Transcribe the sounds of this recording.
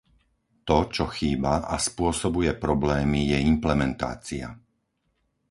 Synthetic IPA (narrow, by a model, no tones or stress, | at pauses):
t̪ɔt͡ʃɔxiːbaaspʊɔsɔbujɛpɾɔblɛːmijɛimplɛmɛnt̪a̰ːt͡sia̰